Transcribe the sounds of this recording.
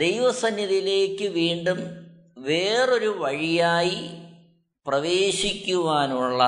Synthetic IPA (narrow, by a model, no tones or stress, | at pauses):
d̪ejʋɐsɐnjɐðile̞ːkːɨʋiːɳɖum | ʋeːro̞ɾuʋɐɻijaːji | prɐʋeːɕikʲːuʋaːnuɭːɐ